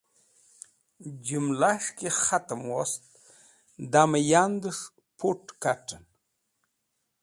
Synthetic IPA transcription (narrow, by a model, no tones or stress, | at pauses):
d͡ʒumlaʂkexat̪əmwost̪̚ | d̪amajand̪əʂ | pʰoʈkaʈən